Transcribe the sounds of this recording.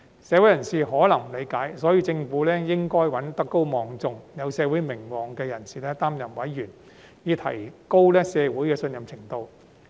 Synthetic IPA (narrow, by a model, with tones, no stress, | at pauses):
sɛː˨˧wu˨˥jɐ˨˩nsiː˨ɦɔː˨˥lɐ˨˩ŋm̩˨˩le˨˧jkaː˨˥jsɔː˨˥jiː˧t͡sɪ˧ŋfuː˨˥lɛː˥jɪ˥ŋkɔː˥jwɐ˨˥nt̪ɐ˥kːo˥wmɔː˨ŋt͡sʊ˧ŋjɐ˨˧wsɛː˨˧wuː˨˥jmɪ˨˩ŋwɔː˨˩ŋkɛː˧jɐ˨˩nsiː˨˩lɛː˥t̪aː˥mjɐ˨˩mwɐ˨˥jjyː˨˩n | jiː˨˧t̪ʰɐ̰˨˩jko˥wlɛː˥sɛː˨˧wuː˨˥jkɛː˧sɵ˧njɐ˨mt͡sʰɪ˨˩ŋt̪o˧w